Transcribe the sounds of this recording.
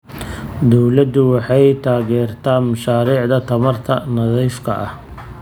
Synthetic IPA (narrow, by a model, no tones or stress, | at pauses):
d̪ɔwlɐd̪ʊwɑħɑjt̪ʰaːɣɛːrt̪ʰaːnmɐʃaːɾiːʕd̪ɐt̪ʰɐmɐrt̪ʰɐnɐðɛjfkʰɐ̰ʔɐh